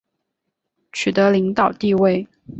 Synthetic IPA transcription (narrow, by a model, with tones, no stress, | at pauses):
t͡ɕʰy˨˩t̪ɤ˧˥li˧˥ŋt̪ɑ˨˩ʊt̪i˥˧we˥˩ɪ